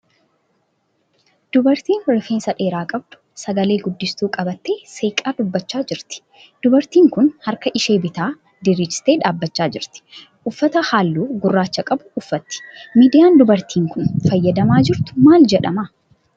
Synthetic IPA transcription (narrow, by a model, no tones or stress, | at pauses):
d̪̥ʊbɐɾt̪iːnɾɪfeːnsɐᶑe̞ːɾaːkʼɐbd̪̥ʊ̥sɐɡɐle̞ːɡʊd̪ːɪst̪uːkʼɐbɐt̪ːeːse̞ːkʼaːd̪ʊbːɐt͡ʃːaːd͡ʒɪɾt̪ɪ̥ | d̪̥ʊbɐɾt̪iːŋkʊnhɐɾkɐʔɪʃe̞ːbɪt̪aː | d̪ɪɾit͡ʃːɪ̥st̪e̞ːᶑaːbːɐt͡ʃːaːd͡ʒɪɾt̪ɪ̥ | ʔʊfːɐt̪ɐhaːlːuːɡʊrːaːt͡ʃːɐkʼɐbʊʊfːɐt̪ːɪ̥miːd̪ɪjaːnd̪ʊbɐɾt̪ʰiːŋkʊnfɐjːɐd̪ɐmaːd͡ʒɪɾt̪ʊ̥maːld͡ʒɛᶑɐmɐ